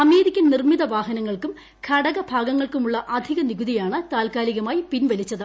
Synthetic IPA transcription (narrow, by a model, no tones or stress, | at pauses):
ɐmeːɾikʲːɐnnirmiðɐʋaːɦɐnɐŋːɐɭkum | kʰɐɽɐɣɐbʱaːɡɐŋːɐɭkumuɭːɐʔɐd̪ʱiɣɐniɡuðijaːɳɨt̪aːlkaːliɣɐmaːjipinʋɐlit͡ɕːɐðɨ